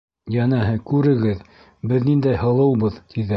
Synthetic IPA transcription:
jænæɦɘkʉɾɘ̆ɡɘð | bɘðnind̪æjhɤ̆lˠɤ̆wbɤðt̪ʰiðɘ

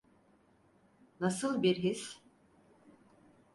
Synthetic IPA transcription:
nasɯlˠbiɾɦis

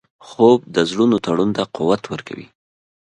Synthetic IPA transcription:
xob̚d̪əzlunot̪aɽunt̪aquwat̪wəɾka̰wḭ

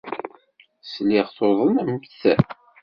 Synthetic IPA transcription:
slɪʁθoðˤənmtθæ̰

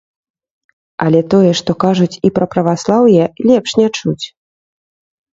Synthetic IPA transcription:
ɐ̰lʲɛt̪ɔjɛʂt̪ɔkaʐut͡sʲipɾɐpɾɐvaslˠawjɛlʲɛpʂnʲat͡ʂut͡sʲ

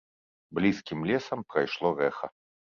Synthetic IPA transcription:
blʲiskʲimlʲɛsɐmpɾɐjʂlˠɔɾɛxɐ̰

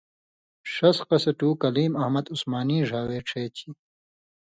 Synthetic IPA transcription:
ʂɐsqɐsɐʈuːkɐliːmɐhmɐd̪usmaːniːʐaːweːʈ͡ʂʰeːt͡ɕʰi

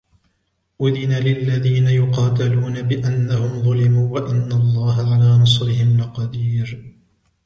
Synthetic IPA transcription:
ʔʊðɪnalɪlːaðiːnajʊqɑːt̪aluːnabɪʔanːahʊmðˤʊlɪmuːwaʔanːalˤːɑːɦaʕalaːnɑsˤɾɪhɪmnɪqɑd̪iːɾ

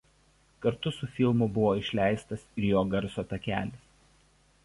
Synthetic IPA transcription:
kɐɾt̪ʊsʊfʲɪlˠmʊbʊʋoːɪʃʲlʲæˑɪst̪ɐsɪɾjoːɡɐɾsoːt̪ɐkʲæːlʲɪs

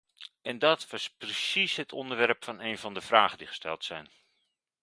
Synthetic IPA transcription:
ɛndɑtʋɑsprəsisɦətʰɔ̰ndəɹʋɛrpfɑnejnvɑndəv̥raːχəndiχə̥stʰɛ̰lˠtsɛjn

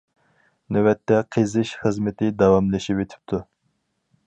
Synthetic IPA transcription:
nøwɛt̪ːɛqʰezɨʃχəzmɪt̪ʰɪd̪ɑwɑmlɪʃipet̪ʰɪ̥p̚t̪ʰu

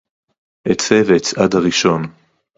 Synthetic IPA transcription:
ʔet͡seveet͡sadhaʁiʃo̞n

